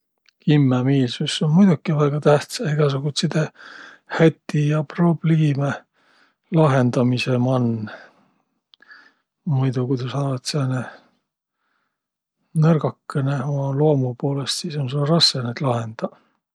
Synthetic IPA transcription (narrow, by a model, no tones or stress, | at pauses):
kimːemiːlsusːonmujd̪ukːˑivæɡ̥ɑt̪æht̪sɑeɡ̥ɑsuɡ̥ut̪sid̪e | hæt̪ˑːijɑprob̥lime | lɑɦe̞nd̪ɑmisemɑnː | mujd̪ukujt̪ɑsɑːvɑt̪seɑne | nɤrɡɑkːeneomɑloɑmupo̞ːle̞st̪siːso̞nsulɑɾɑskenet̪lɑɦe̞nd̪̥ɑ